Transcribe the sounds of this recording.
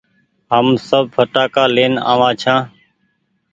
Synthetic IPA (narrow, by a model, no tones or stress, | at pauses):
ɦəmsəb̚pʰəʈaːkaːleːna̰ːʋãːt͡ʃʰãː